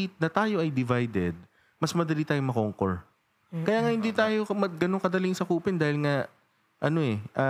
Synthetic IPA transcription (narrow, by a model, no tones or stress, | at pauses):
it̪̚nɐt̪aːjo̞ʔɐjd̪ɪvajd̪ɛd̪̚ | mɐsmɐd̪ɐliːt̪aːjoŋmɐkoŋko̰ɹ | kɐjaːŋahɪnd̪iːt̪aːjo̞mɐɡɐnoŋkɐd̪ɐlɪŋsɐkuːpɛnd̪aːhɪlŋa | ʔɐno̞ʔɛʔɐ